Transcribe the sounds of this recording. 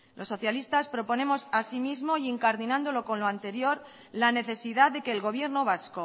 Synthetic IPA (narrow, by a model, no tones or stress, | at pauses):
lʔo̞sːo̞θjalist̪aspɾo̞po̞ne̞mo̞sasimizmo̞jeŋkaɾðinãnd̪o̞lo̞ko̞nlo̞ant̪e̞ɾjo̞ɾ | lane̞θe̞siðaððe̞ke̞ːlɣo̞β̞je̞ɾno̞β̞asko